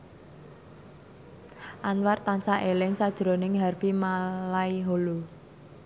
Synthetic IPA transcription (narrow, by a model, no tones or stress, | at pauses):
ʔanwart̪ansaʔelɪŋsad̥ʒ̥ɾo̤nɪŋɦarfimalaiɦolo